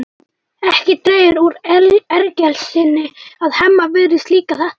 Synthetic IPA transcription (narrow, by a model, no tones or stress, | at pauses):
ɛhcɪt̪ɾeːjɪɾuɾɛlɛɾcɛlsɪnːɪaðhɛmːavɪðɾɪst̪liːkaθa